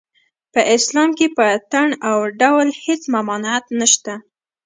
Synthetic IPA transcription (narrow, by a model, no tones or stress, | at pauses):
pəʔɪslɑmkepət̪aɳawɖawlhet͡smamɑnat̪naʃt̪a